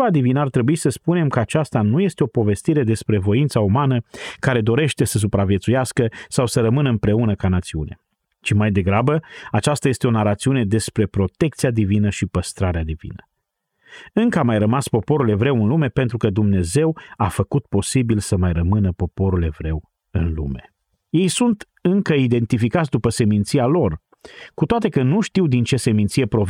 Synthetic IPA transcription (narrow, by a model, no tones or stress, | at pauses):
ad̪ivinəart̪ɾe̞buisəspune̞mkəat͡ʃast̪anuje̞st̪eo̞po̞ve̞st̪iɾe̞d̪e̞spɾe̞vo̞int̪saumanəkaɾe̞d̪o̞ɾe̞ʃt̪e̞səs̬upɾavje̞t̪sujaskəsawsəɾəmɨnəɨmpɾe̞unəkanat̪siṵnḛ | t͡ʃimajd̪e̞ɡɾabəat͡ʃast̪aje̞st̪e̞o̞naɾat̪siune̞d̪e̞spɾe̞pɾo̞t̪e̞k̚t̪siad̪ivinəʃipəst̪ɾaɾead̪ivḭnə | ɨŋkəamajrəmaspo̞po̞ɾule̞vɾe̞wɨnlume̞pe̞nt̪ɾukəd̪umne̞ze̞wafəkut̪̚po̞sibilsəmajrəmɨnəpo̞po̞ɾule̞vɾe̞w | ɨnlṵme̞ | je̞jsunt̪ | ɨŋkəid̪e̞nt̪ifikat̪sʲd̪upəse̞mint̪sialo̞r | kut̪oat̪e̞kənuʃt̪iwd̪int͡ʃe̞se̞mint̪sije̞pɾo̞v